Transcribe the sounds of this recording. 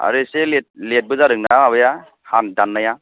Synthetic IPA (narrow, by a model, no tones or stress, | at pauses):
a̰ɾɯselet̚let̚bɯzaɾɯk̚naaaβɯja | handanːaja